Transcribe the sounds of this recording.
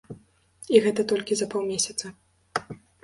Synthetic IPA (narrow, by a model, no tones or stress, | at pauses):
iɣɛt̪ɐt̪ɔlʲkʲizɐpɔwmʲesʲɐt̪sɐ